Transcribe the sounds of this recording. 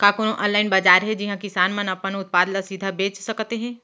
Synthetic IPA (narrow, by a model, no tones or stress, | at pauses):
kaːkoːnõʔə̃ːnlaːɪnbɐd͡ʒaːɾɦɛd͡ʒɪɦãkɪsaːnmɐnɐpənʊt̪̚paːd̪lasid̪ʱabeːt͡ʃsɐkt̪eɦɛ̃ː